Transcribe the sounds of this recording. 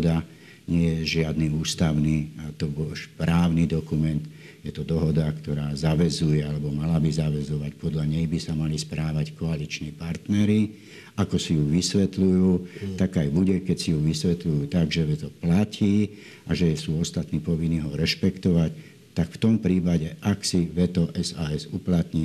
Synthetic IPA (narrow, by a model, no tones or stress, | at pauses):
d̪a | ɲɪɛjɛʒɪad̪niuːst̪aʊniːt̪ɔbɔlʃpɾaːʊnid̪ɔkumɛnt̪ | jɛt̪ɔd̪ɔɦɔd̪akt̪ɔɾaːzaʋɛzujɛalɛbɔmalabizaʋɛzɔʋacpɔd̪ʎaɲɛjbisamalispɾaːʋackɔalit͡ʃniːpaɾt̪nɛɾi | akɔsijuʋisʋɛt̪lujuːt̪aɡajbuɟɛkɛcsijuʋisʋɛt̪lujuːt̪aɡʒɛʋɛt̪ɔplaciː | aʒɛɛsuːɔst̪at̪niːpɔʋinːiːɦɔɾɛʃpɛkt̪ɔʋac | t̪akft̪ɔmpɾiːpaɟɛʔaksiʋɛt̪ɔʔɛzaːɛzuplat̪ɲi